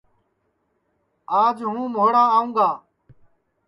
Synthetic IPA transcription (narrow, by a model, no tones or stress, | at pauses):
aːd͡ʒɦũːmoːɽãːaːũːɡaː